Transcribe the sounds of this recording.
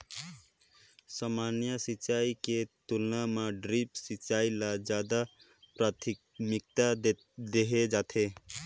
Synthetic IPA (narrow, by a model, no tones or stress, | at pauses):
samanjəsit͡ʃaiket̪ulnamaɖɾipsit͡ʃailad͡ʒjad̪a | pɾat̪ʰi | mik̚t̪a | d̪eɦed͡ʒat̪ʰe